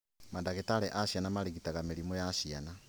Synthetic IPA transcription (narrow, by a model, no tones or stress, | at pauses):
madaɣetalɛʔaʃianamaliɣitaɣameɾimɔjaʃiana